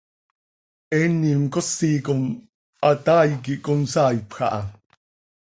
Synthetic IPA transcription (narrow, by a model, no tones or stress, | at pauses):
ɛnːimkosːiːkom | ʔat̪aːjkiʔkonsaːjpxɑ̰ʔɑ̰